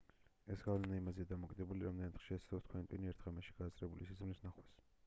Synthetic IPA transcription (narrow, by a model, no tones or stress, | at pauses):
ɛsɡavlɛnaimaziad̪amɔkʼid̪ɛbuliɾamd̪ɛnat̪χʃɛsd̪ɔt̪̚ʰkʰwɛnt̪ʼwiniɛɾt̪ʰʁamɛʃi̥ɡ̥aszʼɾɛbulisizmlisnaχwɛs